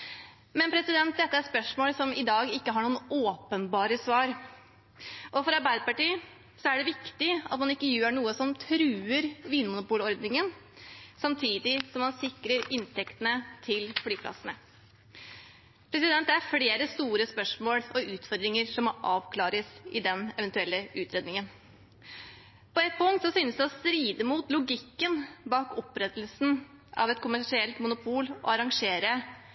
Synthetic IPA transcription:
mɛnpʰɾɛsɪd̪ɛnt̪̚d̪ɛt̪ːəæɾspœʂmoːlsɔmɪd̪ɑːɡɪkːəɦɑɳuːənoːpənbɑːɾəsʋɑːɾ | ʔɔfɔɾɑɾbæɪd̪əpɑʈiː | sɔæɖɛʋɪkt̪ɪɑt̪mɑnɪkːəjʉːəɳuːəsɔmt̪ʰɾʉːəɾʋiːnmʊnʊpuːlɔɾd̪nɪŋən | sɑmt̪ʰiːd̪ɪsɔmːɑnsɪkɾəɾɪnt̪ʰɛkt̪ənət̪ʰɪlflyːpʰlɑ̰sənə | pʰɾɛsɪd̪ɛnt̪d̪ɛæɾfleːɾəst̪uːɾəspœʂmoːɽɔʉːt̪fɔɾd̪ɾɪŋəɾʂɔmɔʔɑːʋkʰlɑːɾəsɪd̪ɛnɛʋɛnt̪ʉɛlːəʔʉːt̪ʰɾeːd̪nɪŋən | pɔɛt̪̚pʰʊŋt̪sɔsyːnəsd̪ɛɔst̪ɾiːd̪əmuːt̪lʊɡɪkːənbɑːkɔpɾɛt̪ːlsn̩ | ʔɑ̰ʋɛt̪kʰʊmæʂɪɛlt̪mʊnʊpʰuːlɔ̰ɑɾɑŋʂeːɾə

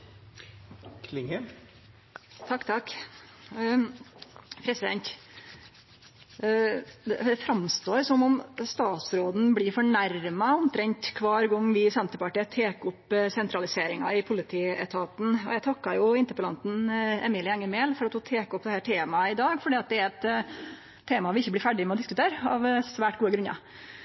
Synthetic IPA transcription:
kʰlɪŋɛ | t̪ʰɑkːt̪ʰɑkː | pʰɾɛsɪd̪ɛ̰nt̪ | d̪ɛd̪ɛfɾɑmst̪oːɾsɔmɔmst̪ɑːt̪sɾoːd̪n̩blɪɾfɔɳæɾmɑɔmt̪ʰɾɛɲt̪kʰʋɑːɾɡɔŋːʋɪsɛnt̪əpɑʈiːət̪ʰeːkʊpsɛnt̪ɾɑlɪseːɾɪŋɑ̰ɪpʰʊlɪt̪ʰiːɛ̰t̪ʰɑːt̪n̩ɔ̰jæt̪ʰɑkːɑjʊɪnt̪əɾpəlɑ̰nt̪n̩ɛ̰miːlɪɛŋːəmeːlfɔɾɑt̪fɔt̪ʰeːkɔp̚d̪ɛhæːʈʰeːmɑɪd̪ɑːɡfɔɖiːɑt̪̚d̪ɛæɾɛt̪ʰː | eːmɑʋɪɪçːəblɪɾfæɖɪmɛɔd̪ɪskʉt̪ʰeːɾɑ̰ʋsʋæːʈɡuːəɡɾʉnɑ̰

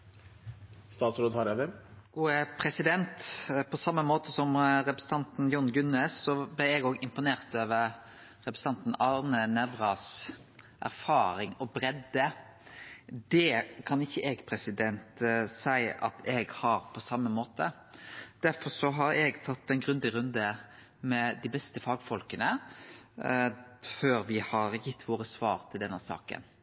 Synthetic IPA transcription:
st̪ɑːt̪sɾoːd̪hɑɾɛd̪ɛɡ̥uːəpʰɾɛsɪd̪ɛnt̪pʰɔsɑmːəmoːt̪əsɔmɾɛpɾsət̪ʰɑnt̪n̩jʊnɡʉneːsːɔblæɪɛɡoːɡɪmpʊneːʁt̪øːʋəɾ | ɾɛpɾɛsɑnt̪n̩ɑɾnənɛʋɾɑs | ʔæ̰ɾfɑːɾɪŋɔbɾɛd̪ə | d̪ɛkʰɑnɪçːəeɡpʰɾɛsɪd̪ɛnt̪sæɪʔɑ̰t̪ʰɛɡhɑɾpʰɔsɑmːəmoːt̪ə | d̪̥æɾfɔɾsɔɦɑɾɛɡt̪ʰɑt̪ːɛnɡɾʉnd̪ɪɾʉnd̪ə | mɛd̪ɪbɛst̪əfɑːɡfɔlkənə | føːɾʋɪhɑɾjɪt̪ʰːʋoːɾəsʋɑːɾt̪ʰɪld̪ɛnːəsɑ̰ːkə̰n

